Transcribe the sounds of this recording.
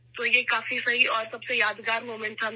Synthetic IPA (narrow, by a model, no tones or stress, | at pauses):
t̪oːjekaːfisɐɦiʔɔːɾsɐbsejaːd̪ɡaːɾmoːmɛ̃ɳʈt̪ʰa